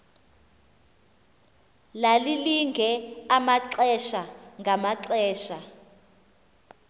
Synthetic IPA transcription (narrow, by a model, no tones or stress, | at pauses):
laliliŋɡʱɛamaǁɛʃaŋɡʱamaǁɛːʃa